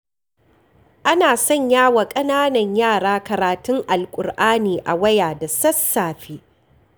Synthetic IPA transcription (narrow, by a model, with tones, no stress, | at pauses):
ʔa˦naː˨sɔ˦˨ɲjaː˦wa˨kʼɐ˦naː˦nɐ˨ɲjaː˦˨ɽaː˦kɐ˨ɾaː˨tʊ˦ŋʔa˨lkʷʼʊ˨rʔaː˦niː˨ʔa̰˨wɐ˦jaː˨da˨sɐ˦sːaː˨ɸiː˦